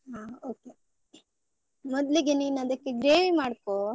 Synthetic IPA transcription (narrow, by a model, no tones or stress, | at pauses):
ɦaːoːke | mɔd̪liɡeniːnɐd̪ɐkːeɡɾeːʋimaːɽkoː